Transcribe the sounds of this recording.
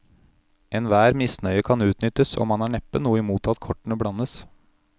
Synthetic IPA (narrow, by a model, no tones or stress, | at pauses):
ʔɛnʋæːɾmɪsnœʏəkʰɑnʉːt̪nʏt̪əsɔ̰mɑnæːɳɛpːənuːəɪmuːt̪ʰɑt̪kʰɔʈɳ̩əbɽɑnəs